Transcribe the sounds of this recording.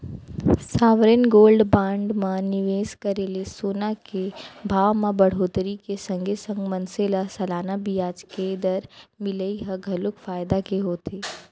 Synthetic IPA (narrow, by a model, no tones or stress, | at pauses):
saːʋɾɪnɡoːlɖbãːɳɖmãnɪʋeːskəɾelesoːnakebʱaːʋmãbɐɽ̤oːt̪ɾikesɐ̃ŋɡʱesə̃ŋɡmɐnselasɐlaːnabijaːd͡ʒked̪əɾmɪləiɦɐɡʱɐlʊkfaːjd̪akeɦoːt̪eː